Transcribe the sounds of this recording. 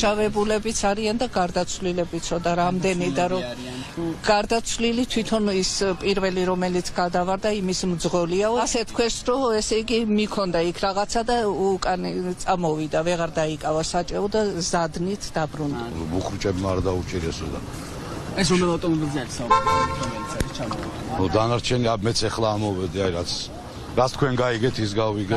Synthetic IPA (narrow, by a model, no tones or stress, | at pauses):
ʃavɛbulɛbit̪sʰaɾiand̪aɡaɾd̪at̪sʰvlilɛbit̪sʰɔd̪aɾamd̪ɛnid̪aɾɔ | ɡ̥aɾd̪at̪sʰvlilit̪ʰwit̪ʰɔnispʼiɾvɛliɾɔmɛlit̪sʰɡad̪avaɾd̪aimismd̪zʁɔliaɔasɛt̪ʰkʰwɛsɾɔɛsɛiɡimikʰɔnd̪aikʰɾaʁat̪sʰad̪aukʼant̪sʼamɔvid̪avɛʁaɾd̪aikʼavasat͡ʃʼɛɔd̪azad̪nit̪ʰd̪abɾund̪buχɾt͡ʃʼɛbmaːɾd̪aut͡ʃʼiɾɛsɔd̪a̰ | ɛsɔmɛlˠawt̪ʼɔmɔbilziaɾisaɔɔbik̪ʰɔmɛlit̪sʰaɾist͡ʃʰamɔɔ | ɔd̪anaɾt͡ʃʰɛniamɛt̪sʰɛχlaːmɔvɛd̪iaiɾat̪sʰ | ɾat̪st̪̚ʰkʰwɛnɡaiɡɛt̪ʰis̬ɡaviɡɛ